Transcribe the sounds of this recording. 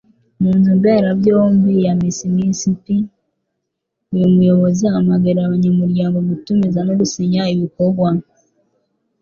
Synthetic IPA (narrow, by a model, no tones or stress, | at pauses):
muːnumbeːɾabɟoːmbijamisimisipi | ujumujo̞βo̞ziamaɡeɾaβaɲamuɾɟaːŋɡo̞ɡutumizanoɾusiɲaiβikoɾɡwa